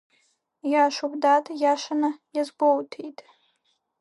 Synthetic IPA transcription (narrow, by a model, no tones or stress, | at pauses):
jaʃubdatʰʼjaʃanajazɡʷowtʰejtʼ